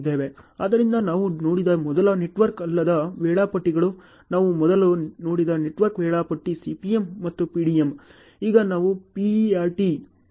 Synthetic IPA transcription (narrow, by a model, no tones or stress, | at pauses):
d̪eːʋe̞aːd̪ɐɾind̪ɐnaːʋuno̞ːɽid̪ɐmɔd̪ɐlɐneʈʋɐɾkɐlːɐd̪ɐʋɛːɭaːpɐʈːiɡɐɭu | naːʋumɔd̪ɐluno̞ːɽid̪ɐneʈʋɐɾkʋɛːɭaːpɐʈːisipijemːɐt̪ːupiːɽiem | iːɡɐnaːʋupiaːɾʈi